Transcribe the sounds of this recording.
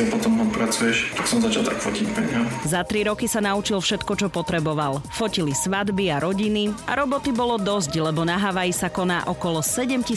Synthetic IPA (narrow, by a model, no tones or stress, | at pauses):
ɛpɔt̪ɔmɦɔpɾat͡sujɛʃt̪aksɔmzat͡ʃalˠt̪akfɔcicpɛɲɦazat̪ɾiɾɔkisanaut͡ʃilfʃɛt̪kɔt͡ʃɔpɔt̪ɾɛbɔʋalfɔcilisʋad̪biaɾɔɟinia̰ɾɔbɔt̪ibɔlɔd̪ɔzclɛbɔnaɦaʋajisakɔnaːʔɔkɔlɔsɛɟɛmci